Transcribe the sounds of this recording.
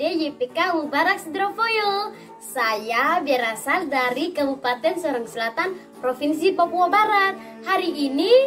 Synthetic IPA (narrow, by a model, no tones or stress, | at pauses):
dejepekaubaɾak̚səd̪ɾofojɔl | sajabiɾasadaɾikəbupat̪ɛnsɔɾaŋsəlat̪an | pɾofinsipɔpuɔbaɾat̪̚ | haɾiːni